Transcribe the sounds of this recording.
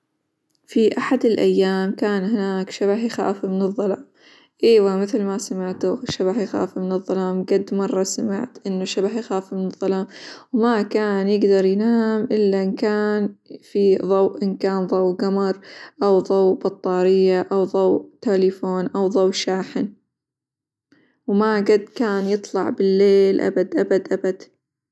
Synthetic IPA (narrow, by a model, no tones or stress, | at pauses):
fiʔaħad̪ɪlʔajːaːmkaːnhɪnaːkʃabahjxa̰ːfimɪnɨðˤːɑlɑːm | ʔeːwamɪθlmasamɪʕt̪ʃabahjxa̰ːfimɪnɨðˤːɑlɑːmɡad̪ːmɑrˤːɑsamɪ̰ʕt̪ʔɪnːaʃabahjxaːfimɪnɨðˤːɑlɑːmwmakaːnjɪɡd̪ɑɾˤjnaːmʔɪlːaʔɪnkaːnfiðˤɑwʔʔɪnkaːnðˤɑwɡamɑɾˤʔawðˤɑwbɑt̪ˤːɑːɾɪjːaʔawðˤɑwʔt̪aːlifoːnʔawðˤɑwʃaːħɪn | wmaɡad̪ːkaːnjɨt̪ˤlɑʕbɪlːeːlʔa̰bad̪ʔa̰bad̪ʔabad̪̥